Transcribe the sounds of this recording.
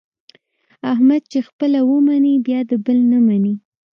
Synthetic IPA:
ahmad̪̚t͡ʃexpəlawəmanibjɑd̪əbəlnamani

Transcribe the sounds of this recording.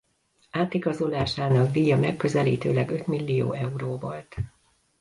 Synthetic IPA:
aːt̪iɡɒzo̞laːʃaːnɒkd̪iːjɒmɛkːø̞zɛliːt̪ø̰ːlɛɡø̞t̪milːijo̰ːɛuɾoːvolt̪

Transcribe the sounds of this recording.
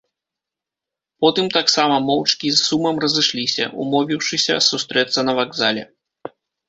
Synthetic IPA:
pɔt̪ɨmt̪aksamɐmɔwt͡ʂkʲizːumɐmrɐzɨʂlʲisʲɐ̰ʔṵmɔvʲiwʂɨsʲɐ̰sust̪ɾɛt̪sːɐnɐvaɡzalʲɛ̰

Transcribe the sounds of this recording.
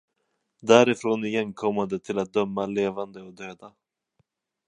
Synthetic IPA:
d̪æːɾɪfɾoːnɪjɛnkʰɔmːand̪ət̪ʰɪlat̪̚d̪œmːaleːvand̪əɔd̪øːd̪a

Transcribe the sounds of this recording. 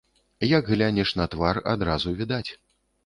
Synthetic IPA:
jɐɡɣlʲanʲɛʂnɐt̪vara̰d̪ɾazuvʲid̪at͡sʲ

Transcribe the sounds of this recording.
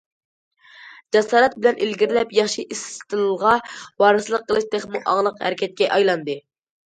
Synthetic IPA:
d͡ʒɛsɑːɾɛt̪̚bɪlɛnʔilɡʲiɾlɛpjɑχʃiʔist̪ʰɨluʁɑwɑːɾɨslˠəqʰːəlˠɨʃt̪ʰeχmuʔɑ̰ŋlˠəqhæ̰ɾɪkʲʰɛt̪̚kʲɛʔɑjlˠɑnd̪ɨ

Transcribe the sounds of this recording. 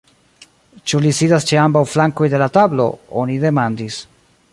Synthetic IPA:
t͡ʃulisidast͡ʃeambawflaŋko̞jde̞latablo̞̰onide̞mandis

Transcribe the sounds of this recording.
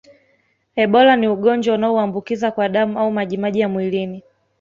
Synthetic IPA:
ɛɓɔlaniuɠɔnd͡ʒwaunaɔuambukizakwaɗamuaumaʄimaʄijamwilini

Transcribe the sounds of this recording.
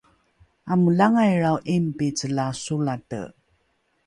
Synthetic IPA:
aməlaŋajɾawʔimpit͡səlasulatə̰

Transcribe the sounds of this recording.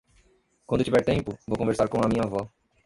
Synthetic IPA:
kwɐ̃d̪ʊt͡ʃivɛɾt̪ẽmpʊvowkõveɾsaɾkõɐmĩɲɐvɔ

